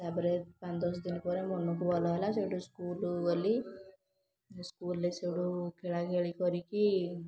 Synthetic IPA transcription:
sabɾepand̪ɔsd̪inkɔɾemɔnːukubɔlɔʋalasewɽuskuːluɔlːi | skuːlːesewɽukɛɭakeɭikɔɾiki

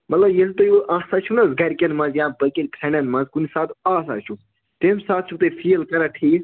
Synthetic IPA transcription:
mɐt̪lɐbjelt̪ɐjoʔaːsat͡ʃʰunɐzɡɐɾʲkʲɐnmɐ̃zjãːbɐkelʲkʰɾɐnɐnmɐ̃zkunisaːt̪ʰaːsa̰ːt͡ʃʰu | t̪emsaːt̪̚t͡ʃʰut̪efʰilkɐɾaʈʰiː

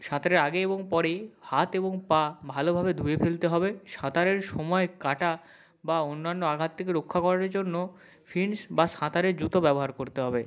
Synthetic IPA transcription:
ʃãt̪aɾeɾaɡeeboŋpɔɾehat̪eboŋpãbʱalobʱabed̪ʱujefelt̪eɦɔbeʃãt̪aɾeɾʃɔmɔekaʈa | baonːanːoaɡʱat̪ʰːekeɾokʰːakɔɾaɾd͡ʑonːo | fʰinsbaʃãt̪aɾeɾd͡ʑut̪obɛboɦaɾkoɾt̪eɦɔbe

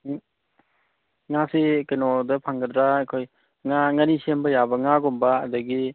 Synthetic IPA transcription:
ŋasekenɔdɐpʰaŋɡɐdɾaekʰoj | ŋaŋanisembɐjabɐŋaɡɔmba̰ːdɐɡi

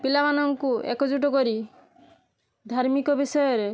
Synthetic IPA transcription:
pilamanɔŋkuʔḛkɔd͡ʒuʈ̬ɔkɔɾi | d̪ʱaɾmikɔbisɔjɔɾe

